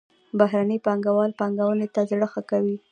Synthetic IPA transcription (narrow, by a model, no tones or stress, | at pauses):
baɦɾanəpɑŋɡawɑlpɑŋɡawənet̪azɽəxakawi